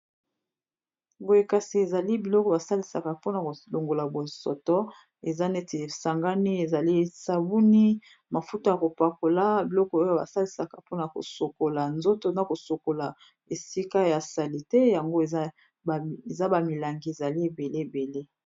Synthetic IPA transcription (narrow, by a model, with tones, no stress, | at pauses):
bo˨je˨ka˨si˨e˨za˨li˦bi˨lɔ˦kɔ˨ba˨sa˦li˨sa̰˨ka˨po˦na˨ko˨lo˨ŋɡo˨la˨bo˨sɔ̰˨tɔ˦ | e˨za˦ne˦te˨sa˨ŋɡa˦ni˦e˨za˨li˦sa˨bu˦ni˦ | ma˨fu˦to˦ja˨ko˨pa˨ko˨la˦bi˨lɔ˦kɔ˦o˦jo˦ba̰˨sa˦li˨sa˨ka˨po˦na˨ko̰˨so˨ko˨la˨nzo˦to˦na˨ko˨so˨ko˨la˨ | e˨si˦ka˦ja˨sa˨li˨tɛ˦ja˨ŋɡo˦˨˦ | e˨za˦ba˨mi˨la˨ŋɡe˨za˨li˦e˨be˨le˦e˨be˨le˦